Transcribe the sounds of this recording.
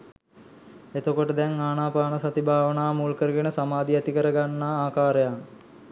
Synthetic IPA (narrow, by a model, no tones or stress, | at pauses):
et̪okoʈəd̪ɛŋaːnaːpaːnəsat̪ibʱaːʋənaːmuːlkəɾəɡenəsamaːd̪iɛt̪ikəɾəɡanːaːaːkaːɾəjaŋ